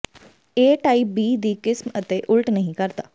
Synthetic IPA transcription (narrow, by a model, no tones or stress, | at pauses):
eːʈaːibiːd̪ikɪsmɐt̪eʔʊlʈnɐɦĩkɐɾt̪aː